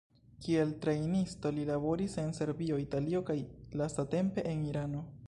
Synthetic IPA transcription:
kie̞ltɾejnisto̞lilabo̞ɾise̞nse̞ɾbio̞italio̞kajlastate̞mpe̞ʔeniɾano̞

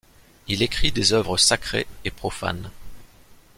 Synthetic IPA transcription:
ilekχid̪ezœvʁəsakχḛepχɔfa̰n

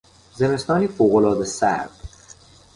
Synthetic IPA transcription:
zeme̞st̪ɒːniːfoːɣolɒːd̪esæ̰ɾb̥

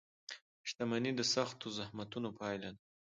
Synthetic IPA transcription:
ʃt̪amanid̪əsaxt̪ozahmat̪unopʰɑjlan

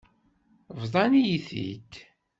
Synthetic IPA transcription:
vðˤɑnijiθḭt̪

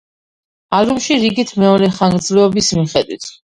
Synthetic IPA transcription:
alumʃiɾiɡit̪ʰmɛɔɾɛχaŋɡɾd̪zlɛɔbismiχɛd̪wḭt̪ʰ

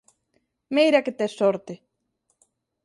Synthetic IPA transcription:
mejɾaket̪esoɾt̪e

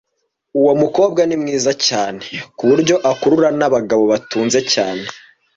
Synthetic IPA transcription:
uwo̞muko̞ːb̚ɡanimŋiːzacaːne̞kuβuɾɟo̞ʔakuɾuɾanaβaɡaβo̞βatuːnze̞caːne̞

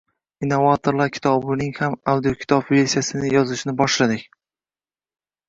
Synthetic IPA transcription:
inːovat̪ʰoɾlˠaɾkʲʰɪ̥t̪ʰɒbʊnɪŋhamawd̪ijokʲʰɪ̥t̪ʰɒbve̞ɾsijasɪnɪjɒzɪʃnɪbɒʃlad̪ɪkʲ

